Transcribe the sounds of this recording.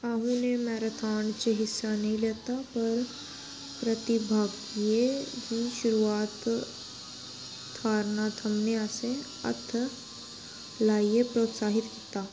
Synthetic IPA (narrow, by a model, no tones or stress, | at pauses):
aːɦũnemɛːɾət̪ʰaːɳt͡ʃeɦɪsːanɐɦĩleːt̪apɐɾ | pɾɐt̪ɪbʱaːɡ | iekiʃʊɾuaːt̪ | aːɾnaːt̪ɦɐmneaːse | ɐ̰t̪ʰ | laːiepɾoːt̪saːɦɪt̪kit̪aː